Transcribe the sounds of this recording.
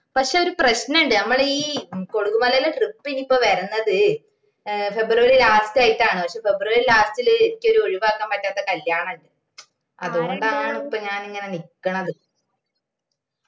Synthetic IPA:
pɐkʂe̞o̞ɾuprɐɕnɐuɳɖɨnɐmːɐɭiːko̞ɽuɣumɐlɐlːeʈripːinipːoːʋɐɾunːɐðɨ | fe̞bruʋɐɾilaːstaːjiʈːaːɳɨpɐkʂeːfe̞bruʋɐɾilaːstilɨenikʲːo̞ɾuo̞ɻiʋaːkːɐmpɐtːaːt̪ːɐkɐljaːɳɐɳɖɨ | ɐðuɣo̞ɳɖaːɳupːɐɲaːniŋːɐne̞nikːɐɳɐðɨ

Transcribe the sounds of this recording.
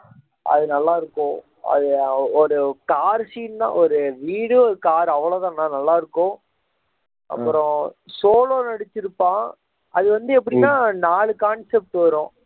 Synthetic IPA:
ʔɐ̰ðɯnɐlːaːɪɾɯkːʊ̃ | ɐ̰ðɯɔɾɯkaːɾsiːnd̪ã̰ːɔɾɯʋiːɽɯɔɾɯkaːɾɐʋːɐɭoːt̪ãːnaːnɐlːaːɪɾɯkːʊ̃ | ʔɐ̰pːɯɾõsoːloːnɐɽɪt͡ʃːɪɾɯpːãː | ʔɐðɯʋɐnd̪ɯɛpːɐɽinãːnaːɭɯkaːɳsɛp̚ʈɯʋɐɾʊ̃

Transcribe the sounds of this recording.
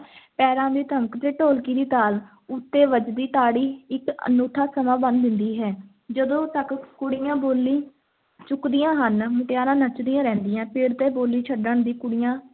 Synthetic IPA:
pɛːɾãːd̪iːt̪əməkt̪eːʈoːlkiːd̪iːt̪aːl | ʊt̪ːeːʋəd͡ʒd̪iːt̪aːɽiːɪkə̰nuːʈʰaːsəmãːbənd̪d̪ɪnd̪iːɦɛː | d͡ʒəd̪õːt̪əkkʊɽɪjãːboːlːiː | t͡ʃʊkd̪ɪjãːɦənmʊʈɪjaːɾãːnət͡ʃd̪iːãːɾɛ̃ːnd̪ɪjãːpʰɪɽt̪eːboːlːiːt͡ʃʰəɖəɳd̪iːkʊɽɪjãː

